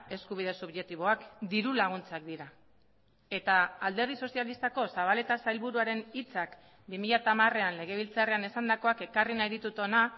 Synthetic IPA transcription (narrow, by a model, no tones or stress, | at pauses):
e̞skuβ̞iðe̞suβʝe̞k̚t̪iβo̞akd̪iɾulaɣ̞unt͡sakd̪iɾa | e̞t̪aald̪e̞ɾðiso̞sialist̪ako̞saβ̞ale̞t̪asajlβuɾuaɾe̞nit͡sak | bimiʎat̪amare̞anle̞ɣ̞e̞β̞ilt͡sare̞ane̞sand̪ako̞ake̞karinajðit̪ut̪o̞na